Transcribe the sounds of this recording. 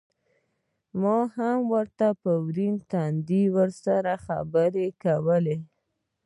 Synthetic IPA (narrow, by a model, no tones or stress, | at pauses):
mɑhamwəɾt̪apəwɾint̪and̪iwəɾsaɾaxa̰bəɾekawəle